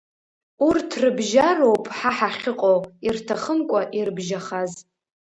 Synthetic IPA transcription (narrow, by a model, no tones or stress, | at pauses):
urtʰrɨbʒaro̞wpʼħaħaχʲɪqʼowirtʰaχəmkʷʼaʔirbʒaχaz